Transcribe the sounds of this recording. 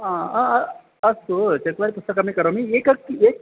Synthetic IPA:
aaɐ | ɐsut͡ʃɐt̪ʋaɾipust̪ɐkamikɐɾomieːkɐkːeːk

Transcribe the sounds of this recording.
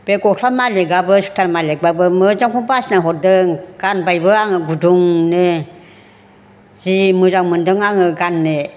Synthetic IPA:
b̥eɡɔɬʰamaleɡabɯsu̥tʰaɾmalek̚babɯmɯd͡ʒaŋkʰuŋbasnaɦɔdɯŋɡ̥anbajbɯaŋɯɡuduŋnɯ | zimɯzaŋmɯndɯŋaŋɯɡanːɯ

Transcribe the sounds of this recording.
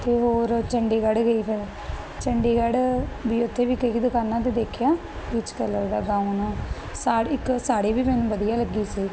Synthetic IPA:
t̪eːɦoːɾt͡ʃəɳɖeːɡəɽɡəiːpʰɪɾ | t͡ʃəɳɖeːɡəɽbiːʊt̪ʰːeːʋiːkəkid̪ʊkaːnaːt̪eːd̪eːkʰjaː | kɪt͡ʃkələɾd̪a̰ːɡãːũnaː | saːɪksaːɽeːʋiːmɛːnũːʋəd̪ɪjaːləɡːiːsiː

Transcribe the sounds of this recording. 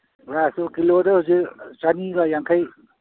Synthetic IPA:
ɾasukilodʌɦuziɾt͡ʃaniɡʌjaŋkʰaj

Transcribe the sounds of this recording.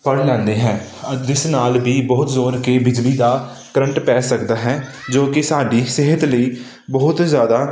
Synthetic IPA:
pəɽlɛ̃ːnd̪eːɦɛ̃ː | d͡ʒɪsnaːlbiːbɔːʊt̪zoːɾkeːbɪd͡ʒliːd̪aː | kɾəɳʈpɛːsəkd̪aːɦɛː | d͡ʒoːkɪsaːɖiːsɪɦət̪ləiː | bəɦʊt̪zjaːd̪aː

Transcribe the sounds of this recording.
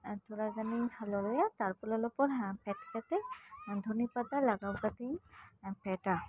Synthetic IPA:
t̪ʰuɹazanihʰalɔlɔjat̪aɹpɔlɔlɔpɔɹpɛtkat̪ɛd̪ʱunipad̪alaɡawkat̪ipɛta

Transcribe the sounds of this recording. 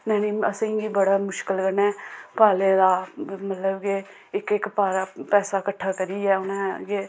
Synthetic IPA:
nɛ̃ːniːəsẽːɡiːbəɽaːmʊʃkəlkəɾnɛːpaːlẽːd̪aːmət̪ləbɡe | ɪkɪkpaːlaːpɛːsaːkəʈʰːaːkəɾiːɛːʊnẽːɡeː

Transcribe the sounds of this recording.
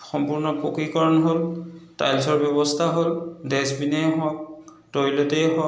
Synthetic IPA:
xɔmpuɹnɔpokɹikɔɹɔnɦolta̰jlsɔɹbjɔbɔstʰaɦoldɛsbinɛɦɔk̚ | tɔjlɔtɛjɦɔ

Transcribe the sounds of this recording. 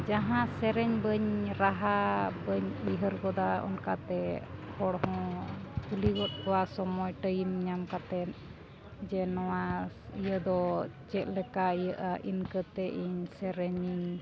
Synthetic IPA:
d͡ʒaɦãsɛɾɛɲbəɲɾaɦabəɲiɦəɾɡɔd̪aɔ̰nkat̪ɛhɔɽɦɔ̃kuliɡɔt̪̚ːɔwasɔmɔjʈəjimɲamkat̪ɛt̪̚ | d͡ʒɛnɔwaijəd̪ɔt͡ʃɛʔ̪̚lɛkaijəʔaʔinkət̪ɛʔiɲsɛɾɛɲiɲ

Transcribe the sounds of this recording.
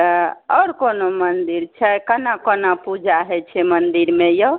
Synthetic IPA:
ɔɾkonomənd̪iɾt͡ʃʰɛkənakənapud͡ʒaɦɛt͡ʃʰɛmənd̪iɾmejɔ

